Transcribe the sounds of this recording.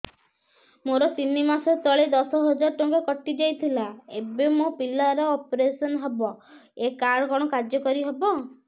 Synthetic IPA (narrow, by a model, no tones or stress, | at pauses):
moɾɔt̪inːimasɔt̪ɔɭed̪ɔsɔɦɔd͡ʒaɾɔʈɔŋɡɔkɔʈːid͡ʒajt̪ʰilaebemopilaɾɔːpɔɾesɔnɔɦebɔekaɾkɔɽ̃ɔkaɾd͡ʒjɔkɔɾiɦebɔ